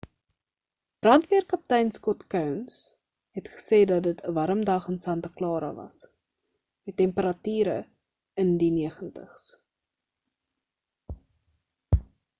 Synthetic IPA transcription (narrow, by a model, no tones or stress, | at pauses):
b̥rɐntviərkɐp̚tɛjnskɔtkœwns | ɦɛtχə̥seːdɐtdətəvɐɾəmdɐχənsɐntɐklɑːɾɐ̰vɐ̰s | mɛtːɛmpəɾɐtyːɾə̰ | əndiniəχəntəχs